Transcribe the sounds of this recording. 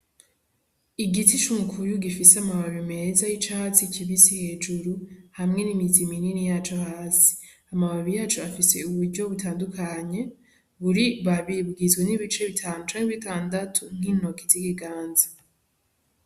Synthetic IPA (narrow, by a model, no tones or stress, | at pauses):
iɡitit͡ʃumukʰujuɡifiseamaβaβime̞zajit͡ʃahasiciβisihe̞ːd͡ʒuɾuhamŋe̞nimizimininijaːt͡ʃohaːsi̥ | amaβaβijaːt͡ʃuafise̞uβuɾɟo̞βutaːndukʰaɲe̞ | βuɾiβaβiβɡizɡweniβit͡ʃe̞βitʰaːnut͡ʃaːŋiβitaːndatʰun̥hino̞kizikiɡaːnzḁ